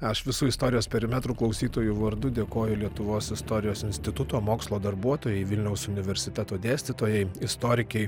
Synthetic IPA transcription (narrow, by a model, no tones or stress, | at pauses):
ɐʃʋʲɪsuːɪst̪oːɾʲɪjoːspʲɛɾʲɪmʲɛt̪ɾuklˠɐʊsʲiːt̪oːjuʋɐɾd̪ʊd̪ʲeːkoːjʊlʲiɛt̪ʊʋoːsɪst̪oːɾʲɪjoːsɪnʲsʲt̪ʲɪt̪ʊt̪oːmoːkslˠoːd̪ɐɾbuɔt̪oːjɛɪʋʲɪlʲnʲɛʊsʊnʲɪʋʲɛɾʲsʲɪt̪ʲɛt̪oːd̪ʲæːsʲt̪ʲɪt̪oːjɛɪɪst̪oːɾʲɪkʲɛɪ